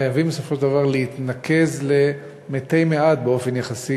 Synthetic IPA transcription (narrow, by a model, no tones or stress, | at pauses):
ajavimbesofoʃeld̪avaʁleit̪nakʰe̞zle̞ | met̪ejmeat̪̚beo̞fenjaχasi